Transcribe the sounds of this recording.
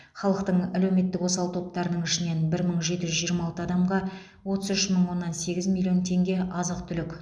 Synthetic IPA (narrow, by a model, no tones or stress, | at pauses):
χɑlˠəqt̪əɴælewme̞t̪ːɪkwo̞sɑlˠt̪ʰo̞p̚t̪ɑɾənəɴɪʃɪne̞nbɪɾməɴʒe̞t̪ɪʒʏzʒijəɾmɑɑlˠt̪əɑd̪ɑmʁɑ | wo̞t̪əzʏʃməɴwo̞nːɑnse̞ɡʲɪzmʲilʲˠːio̞nt̪ʰe̞ŋɡʲe̞ʔɑzəqt̪ʰʏlɪkʲ